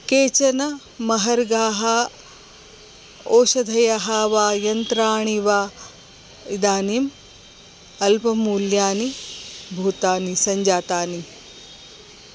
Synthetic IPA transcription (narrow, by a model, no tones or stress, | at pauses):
keːt͡ʃɐnɐ | mɐɦɐɾɡaːɦɐ | oːʃɐd̪ʱɐjɐɦaːʋaːjɐnt̪ɾaːɳiʋaː | id̪aːnim | ɐlpɐmuːljaːnibʱuːt̪aːnisɐɲd͡ʒaːt̪aːni